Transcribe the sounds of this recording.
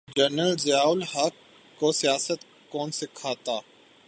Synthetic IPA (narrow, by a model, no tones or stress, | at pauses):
d͡ʒənəlzɐjaːʊlɦɐkː | osijaːsət̪ | kɔːnsɪkʰaːt̪aː